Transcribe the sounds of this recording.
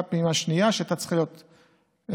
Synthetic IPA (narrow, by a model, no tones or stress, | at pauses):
pimaʃnijaʃeat̪at͡slijo̞t̪